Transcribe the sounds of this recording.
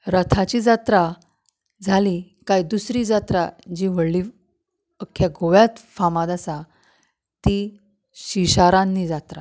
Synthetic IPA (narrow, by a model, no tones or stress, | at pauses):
ɾət̪ʰat͡ɕiːd͡zat̪ɾa | d͡zʱali | kajd̪usɾiːd͡zat̪ɾad͡ʑiʋəɽli | əkʰːjaɡʱoʋjat͡s̪famad̪asa | t̪i | ɕiɕaɾãnːiːd͡zat̪ɾa